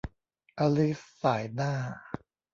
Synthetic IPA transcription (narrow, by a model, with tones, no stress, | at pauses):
ʔa˧li˦˥sːaː˩˦jnaː˥˩